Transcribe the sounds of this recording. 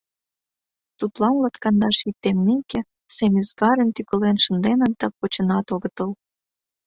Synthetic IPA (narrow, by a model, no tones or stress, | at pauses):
t̪ut̪lɑnlɑt̪kɑnd̪ɑʃit̪ːemnekĕ | semʲyzɡɑɾənt̪ykə̆lenʃə̆nd̪enə̆nd̪̥ɑpot͡ɕə̆nɑt̪oɣə̆t̪əl